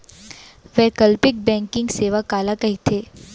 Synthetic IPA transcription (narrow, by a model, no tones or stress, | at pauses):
ʋɛːkɐlpɪk̚bɛ̃ːŋkɪ̃ŋɡseːʋakaːlakɐɦit̪ʰeː